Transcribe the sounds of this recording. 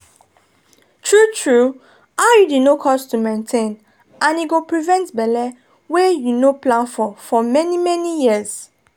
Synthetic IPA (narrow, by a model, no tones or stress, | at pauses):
tʰɹutʰɹu | ajudinokʰɔstumẽntʰẽn | ʔãniɡopɹivɛ̃ntbɛlɛ | wɛjunoplãnfɔfɔmɛnimɛnijiəz